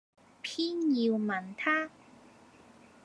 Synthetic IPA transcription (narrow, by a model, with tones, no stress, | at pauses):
pʰiː˥njiː˧wmɐ˨˩nt̪ʰaː˥